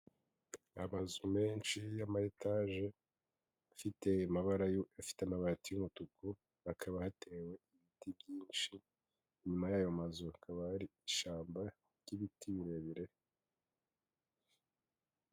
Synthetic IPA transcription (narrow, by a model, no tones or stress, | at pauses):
amazume̞ːnʃijamahetaʒe | afitemaβaɾaafi̥teamaβaɾatijumutuko | akʰaβahatʰe̞we̞iβitibɟiːnʃi | ɲumajajomazuakʰaβahaɾiːʃaːmba | ɟ̥iβitʰiβiɾeβiɾe̞